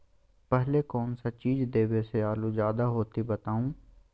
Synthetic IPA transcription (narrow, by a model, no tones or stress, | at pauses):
pɛɦlekɔːnsat͡ʃiːd͡ʒd̪eːweseaːluzaːd̪aɦoːt̪ibɐt̪aːũː